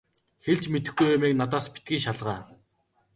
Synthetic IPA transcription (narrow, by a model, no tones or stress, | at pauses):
xeɮt͡ɕmet̪ɘ̆xɡujʊmeːk̚nat̪aːspi̥t̪̚ɡʲiːŋʃaɮʁaː